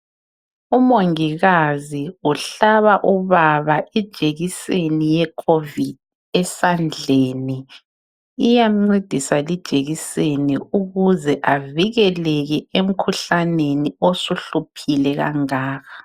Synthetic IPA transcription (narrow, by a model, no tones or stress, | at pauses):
umoŋiɣaziuɬaβaʔuβaβaʔid̥ʒ̥ʱeɣisenijɛkʰovid̚ | ɛsand͡ɮʱeːniː | jaŋ͡ǀed̥ʱisalid̥ʒ̥ʱeɣiseniuɣuzɛʔaviɣɛlɛɣɛem̩kʰuɬaneniosuɬupʰilɛɣa̰ŋaːɣa